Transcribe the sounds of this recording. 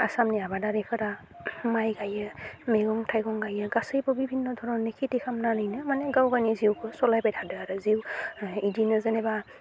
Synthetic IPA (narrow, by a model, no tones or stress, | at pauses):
a̰samniabadaɾipʰaɾa | majɡajɛmeɡɔŋtʰajɡɔŋɡajaɡasɯjpɔbibʱinːɔdʱɔɹɔnekʰitikʰamnanajnɯmanɛɡawɡaniziwkɔsɔlajpajtʰadɯaɾɯziwidinɯzenɛba